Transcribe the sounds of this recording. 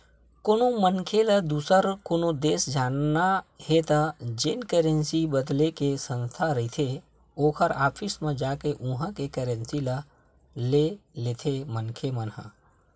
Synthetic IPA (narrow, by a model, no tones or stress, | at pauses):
koːnomənkʰeləd̪uːsəɾkoːnod̪eːsd͡ʒaːnnahet̪ad͡ʒɪnkeɾənsibəd̪lekesə̃nst̪ʰaɾəɦit̪ʰe | oːkʰəɾaːpʰɪsmẽd͡ʒaːkeʔʊ̃ɦə̃kekeːɾə̃nsilə | leleːt̪ʰemənkʰemənɦə̰̃